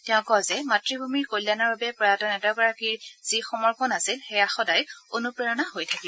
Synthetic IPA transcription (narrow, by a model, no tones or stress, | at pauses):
tɛʊ̃kɔzɛmatɹibʱumiɹkojlanaɹbabɛpɹatɔnɛtɔkɔɹakiɹz̥ixɔmɔɹpɔnasilxɛjaxɔdajonupɹaɹɔnaɦojtʰakib